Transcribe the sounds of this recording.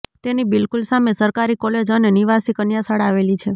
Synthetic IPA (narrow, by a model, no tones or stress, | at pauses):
t̪enibɪlkulsamesəɾkaɾikɔled͡ʒəneniʋasikənjasaɽaʋelit͡ʃʰe